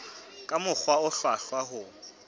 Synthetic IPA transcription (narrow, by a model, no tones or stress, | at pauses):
kʼamʊk͡xʰwaʊɬwaɬwaɦʊ